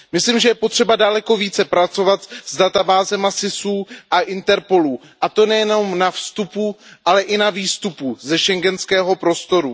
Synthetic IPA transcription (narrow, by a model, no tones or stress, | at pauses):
mɪsliːmʒɛjɛpo̞t̪r̝̥ɛbadalɛko̞viːt͡sɛpɾat͡so̞vat̪zdat̪abaːzɛmasɪsuːʔaʔɪnt̪ɛɾpo̞luː | ʔat̪o̞nɛjɛno̞mnafst̪upuʔalɛʔɪnaviːst̪upuzɛʃɛŋɡɛnskɛːɦo̞pɾo̞st̪o̞ɾu